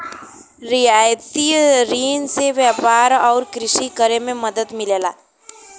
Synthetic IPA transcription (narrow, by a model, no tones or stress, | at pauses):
ɾijaːjt̪iɾiːnseʋjəpaːɾɔːɾkɾɪʃikəɾemẽməd̪əd̪mɪleːla̰ː